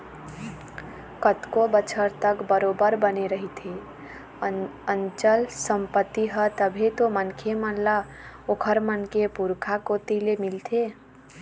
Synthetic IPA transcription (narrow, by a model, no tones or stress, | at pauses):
kət̪kobət͡ʃʰəɾt̪əkbəɾobəɾbəneɾəɦit̪ʰe | ənt͡ʃəlsəmpət̪ːiɦət̪əbʱet̪omənkʰemənlaokʰəɾmənkepuɾkʰakot̪ilemɪlt̪ʰe